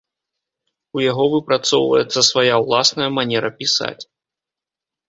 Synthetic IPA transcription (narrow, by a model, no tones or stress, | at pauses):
ujaɣɔvɨpɾat̪sɔwvə̰jɛt̪sːɐsvajawlˠasnɐjɐmanʲɛɾɐpʲisa̰t͡sʲ